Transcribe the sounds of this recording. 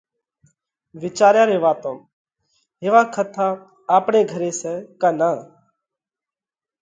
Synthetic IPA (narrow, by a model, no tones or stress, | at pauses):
ʋɪt͡ʃaːɾjaːɾeːʋaːt̪õːm | ɦeːʋaːkʰət̪ʰaː | aːpɳeːɡʱəɾeːsɛːkaːnaː